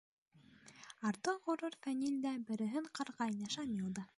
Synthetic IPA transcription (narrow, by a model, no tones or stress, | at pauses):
ɑɾt̪oʁŏɾuɾfænʲilʲd̪æbɘ̆ɾɘ̆ɦɘɴqɑɾʁɑjnjɑʃɑmʲilˠd̪ɑ